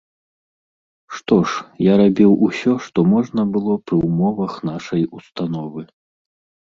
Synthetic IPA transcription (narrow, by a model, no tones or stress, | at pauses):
ʂt̪ɔʂjaɾabʲiwʔusʲɔʂt̪ɔmɔʐnɐbɨlˠɔpɾɨwmɔvɐxnaʂɐjust̪anɔvɨ